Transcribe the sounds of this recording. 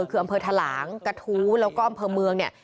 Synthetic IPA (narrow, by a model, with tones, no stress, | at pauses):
kʰɯː˧ʔmpʰɤː˧t̪ʰaː˧la̰ː˩˦ŋka˧t̪ʰuː˦˥lɛː˦˥wkɔː˥˩ʔa˧mpʰɤː˧mɯ˧əŋni˥˩ə